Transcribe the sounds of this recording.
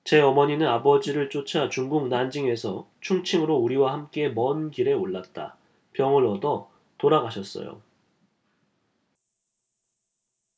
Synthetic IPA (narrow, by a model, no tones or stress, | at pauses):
t͡ɕe̞ʌmʌɲinɯnabʌd͡ʑiɾɯɭt͡ɕ͈ot͡ɕʰat͡ɕuŋɡuŋ̚nand͡ʑiŋe̞sʰʌ | t͡ɕʰuŋt͡ɕʰiŋɯɾouɾiwahamk͈e̞mʌnɡiɾe̞oɭːat̚t͈a̰ | pjʌŋɯɾʌdʌ | toɾaɡaɕʰʌs͈ʌ̰jo̰